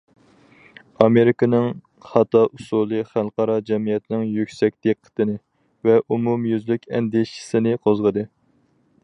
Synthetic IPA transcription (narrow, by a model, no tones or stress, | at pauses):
ɑmeɾɪkɨnɪŋ | χɑt̪ɑʔusulˠɨχælˠqɑɾɑd͡ʒɛmijɛt̪nɪŋjykʲsɛk̚ʲd̪̥eqʰːə̥t̪ɨnɪ | vɛʔumumjyzlykʲɛnd̪eʃi̥sɪnɪqʰozʁəd̪ɨ